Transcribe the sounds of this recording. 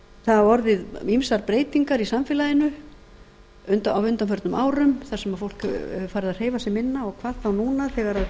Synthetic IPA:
θaðaɔɾðɪðimsaɾpɾeːjt̪iŋkaɾisamfɪːlaðɪnʏ | ʏnt̪awvʏnt̪amfœɾt̪nʏmʔaːwɾʏmθasɛmaðfowlkfaːɾɪðar̥eːjvasɛmɪnːaɔɣkʰvaːðθawnuːnaθɛɣaɾað

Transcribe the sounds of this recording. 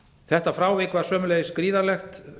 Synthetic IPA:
θɛht̪afɾaːwvɪkvaɾ̥sœːmʏleːjɪskɾiːðaɾlɛxt̪

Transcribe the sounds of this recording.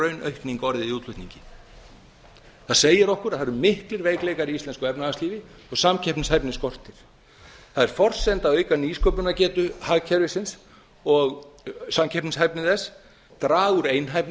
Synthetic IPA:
œɥnœ̰ɥhkniŋkɔɾðɪiuːt̪lʏht̪niɲcɪ | θaðseːjɪɾɔhkʏɾaðθaɾʏmɪhklɪɾveːjkleːjkaɾiist̪ɛnskʏɛpnaasliːvɪ | ɔɣsamcʰɛpnɪshajpnɪskɔr̥t̪ɪɾ̥ | θaðɛɾ̥fɔr̥sɛnt̪aœːɥjkaniskʰɔpʏnacɛːt̪ʏhaːɣcʰɛɾvɪsɪns | ɔɣsamcʰɛpnɪshajpnɪðɛs | t̪ɾaːɣʏɾeːjnɦajpn

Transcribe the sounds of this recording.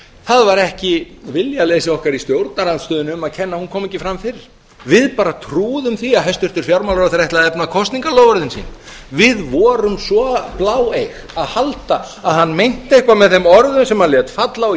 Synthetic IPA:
θaðvaɾɛhcɪvɪljalejsɪɔhkaɾist̪jowɾt̪naɾant̪st̪œːðʏnʏmaðcʰɛnːahunkʰɔːmɛcːɪfɾamfɪɾɪɾ̥ | vɪðpaːɾat̪ʰɾuːðʏmθiaðɦɛst̪ʏr̥t̪ɪɾ̥fjawɾmawlɾaθaɾɛht̪aðɛpnakʰɔst̪niŋkaloːwvaɾðɪnsḭːn | vɪðvɔːɾʏmsɔplawejx | aðhalt̪aː | ðhanːmejn̥t̪ehkvamɛðθemɔɾðʏnsɛmaðljɛt̪fat̪la

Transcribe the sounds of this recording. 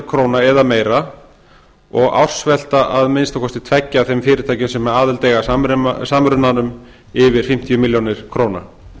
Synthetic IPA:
kʰɾoːwnaɛðameːjɾa | ɔɣa̰wr̥svɛl̥t̪aʔaðmɪnst̪akʰɔst̪ɪt̪ʰvɛcːaθejmfɪːɾɪt̪ʰaːjcɪnsɛmːɛðaːðɪlt̪eːjɣaɾʏsamɾʏnːanʏm | ɪvɪɾ̥fɪm̥t̪ijʏmɪljownɪɾ̥kʰɾoːwna̰

